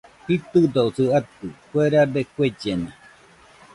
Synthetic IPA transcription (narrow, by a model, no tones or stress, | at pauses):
hit̪ɨd̪ousɨat̪ɯkweɾad̪ekʷed͡ʒena